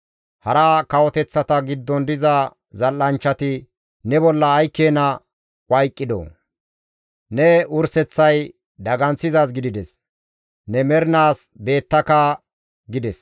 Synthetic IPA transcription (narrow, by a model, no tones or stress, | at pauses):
hɐɾaːkɐwɔt̪ɛt͡sːɐt̪ɐɡɪd̪ːɔnd̪ɪzɐ | zɐlːɐnt͡ʃːɐt̪ɪ | nɛbɔlːɐːjkːeːnɐ | wʔɐjkʼːɪd̪o̰ | nɛʊɾsɛt͡sːɐj | d̪ɐɡɐnt͡sːɪzaːs̬ɡɪd̪ɪd̪ɛs | nɛmɛɾɪnaːsbe̞ːt̪ːɐkɐ | ɡɪd̪ɛs